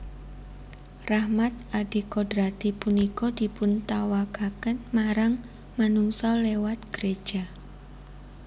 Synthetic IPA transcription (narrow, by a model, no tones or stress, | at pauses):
rahmat̪̚aɖikodɾat̪ipunikɔd̥i̤pʊnt̪awakakənmaɾaŋ | manuŋsɔlewat̪̚ɡ̥əɾed̥ʒ̥a